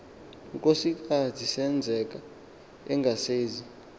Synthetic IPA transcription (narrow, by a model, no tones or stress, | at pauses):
kʼosik̬ʼatʰisɛnd͡zʱɛk̬ʼa | ɛŋɡʱaseːzi